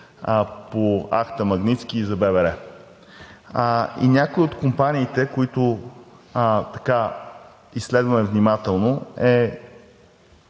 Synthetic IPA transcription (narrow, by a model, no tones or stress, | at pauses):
poa̰kt̪əmɐɡnit̪skʲiːzɐbɛvɛɾɛ | ḭnʲakoiot̪kompanʲiːt̪ɛkoit̪o | t̪ɐ̥ka | isːlɛd̪vɐmɛvnimat̪ɛlˠnoɛ